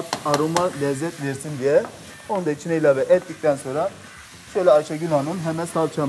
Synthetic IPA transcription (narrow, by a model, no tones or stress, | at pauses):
aɾumalʲɛzːɛt̪vɛɾsind̪ijɛ | onund̪ait͡ʃʰineilʲavɛʔɛt̪̚ːic̚t̪ʰɛnso̞nɾa | ʃøjlʲɛat͡ʃaɡynanɯnɦɛmɛsalˠt͡ʃʰa